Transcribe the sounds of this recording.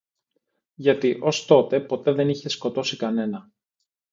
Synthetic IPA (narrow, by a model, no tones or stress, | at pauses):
ʝɐt̪iʔo̞st̪o̞t̪e̞po̞t̪e̞ðe̞niçe̞sko̞t̪o̞sikɐne̞nɐ